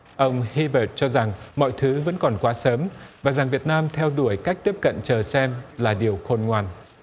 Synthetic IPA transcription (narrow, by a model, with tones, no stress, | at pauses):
ʔə˧wŋ͡mhi˧ɓəː˨˩t̚t͡ɕɔ˧za˨˩ŋmɔ̰˧˨jt̪ʰɨ˨˦və̰˧˥nkɔ˨˩nkwaː˨˦səː˨˦mvaː˨˩za˨˩ŋvi˨˩ət̚naː˧mt̪ʰɛ˧wɗu˧˩əjkaː˦˥k̚t̪i˦˥əp̚kə̰˧˨nt͡ɕəː˨˩sɛ˧mlaː˨˩ɗi˨˩əwxo˧nŋwaː˧n